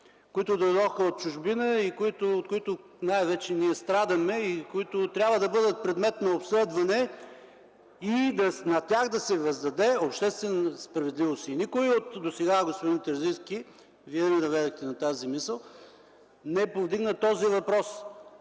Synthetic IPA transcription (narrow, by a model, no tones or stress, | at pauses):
koit̪ʊd̪ojd̪ɔxəot̪̚t͡ʃʊʒbinəikoit̪ʊot̪kʊit̪ʊ | najvɛt͡ʃɛniɛst̪ɾad̪əmɛikoit̪ʊt̪ɾʲabvəd̪ɐbɤd̪ət̪̚pɾɛd̪mɛt̪nɐopslɛd̪vɐnɛ | id̪ɐnɐt̪ʲaɣd̪ɐsɛvɐzd̪ɐd̪ɛopʃt̪ɛst̪vɛnspɾɐvɛd̪livosiːnikʊiot̪d̪osɛɡaɡospod̪int̪ɛɾziskʲi | viɛnɛd̪ɐvɛd̪ɛxt̪ɛnɐt̪azimisəlˠ | nɛpovd̪iɡnət̪ɔzivɐpɾɔs